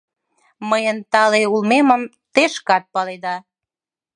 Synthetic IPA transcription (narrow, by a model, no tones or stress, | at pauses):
məjənt̪ɑleulmeməm | t̪eʃkɑt̪̚pɑled̪ɑ